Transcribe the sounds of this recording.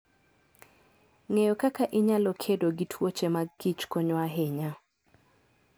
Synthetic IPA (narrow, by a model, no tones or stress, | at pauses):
ŋejokakaʔɪɲalokʰedoɡitʰwot͡ʃemaɡit͡ʃkoɲwaɦɪɲa